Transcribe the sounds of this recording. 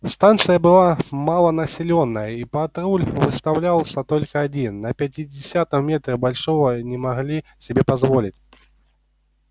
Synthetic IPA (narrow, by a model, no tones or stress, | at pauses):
st̪ant̪sɨjɐbɨlˠamalˠɐnɐsʲɪlʲɔnːɐjɐipat̪ɾulʲvɨst̪awlʲalˠsʲɐt̪ɔlʲkɐːd͡zʲinːɐpʲɐtʲidʲɪsʲat̪ɐmmʲɛt̪ɾɨbalʲʂɔvɐnʲɛmaɣlʲisʲɪbʲɛpazvɔlʲit͡sʲ